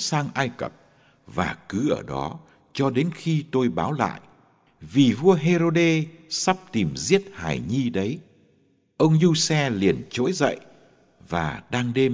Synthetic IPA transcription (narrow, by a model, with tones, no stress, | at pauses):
saː˧ŋʔaː˧jkə̰˨˩p̚ | vaː˨˩kɨ˨˦ʔəː˧˩ɗɔ̰˨˦ | t͡ɕɔ˧ɗe˨˦nxi˧t̪o˧jɓaː˨˦wla̰ː˧˨jʔ | vi˨˩vu˧əɦe˧zo˧ɗe˧sa˦˥p̚t̪i˨˩mzi˦˥ət̚ha̰ː˧˩jɲi˧ɗə˨˦j | ʔə˧wŋ͡mzu˧sɛ˧li˨˩ənt͡ɕo̰˧˥jzə̰˧˨j | va̰ː˨˩ɗaː˧ŋɗe˧